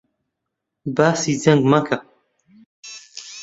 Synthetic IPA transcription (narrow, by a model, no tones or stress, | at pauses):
baːsizɐŋɡmɐkʰɐ